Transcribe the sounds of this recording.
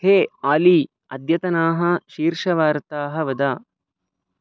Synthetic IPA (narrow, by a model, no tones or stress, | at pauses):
heːaːliː | ɐ̰d̪jɐt̪ɐnaːɦɐʃiːɾʃɐʋaːɾt̪aːɦɐʋɐd̪aː